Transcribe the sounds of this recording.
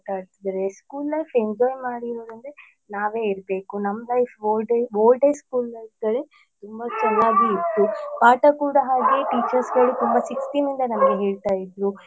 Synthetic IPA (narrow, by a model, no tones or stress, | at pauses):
ʈaːɽt̪id̪ɐɾeskuːlːɐjfʰe̞ɲd͡ʒɔːjmaːɽiɾoːɾɐnd̪e | naːʋeːiɾbe̞ːkunɐmːɐlɐjfʰoːɖeʋoːlɖejskuːlːɐjpɡ̪ɐɭe | t̪umbɐt͡ʃɛnːaːɡiːt̪ːupaːʈɐkuːɽɐɦaːɡeʈiːt͡ʃɐɾsɡɐɭut̪umbɐsikst̪inind̪ɐnɐmɐɡeɦeːɭt̪aːjid̪ɾu